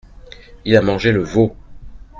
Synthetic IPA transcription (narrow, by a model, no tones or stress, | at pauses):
ilamɑ̃ʒeləvo